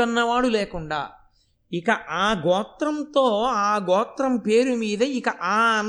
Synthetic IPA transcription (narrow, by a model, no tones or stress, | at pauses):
ɐnːɐʋaːɽuleːkuɳɖa̰ː | ikɐʔaːɡɔːt̪ɾɐnt̪o̞ːaːɡɔːt̪ɾɐmpe̞ːɾumiːd̪ɐikɐʔaːɐn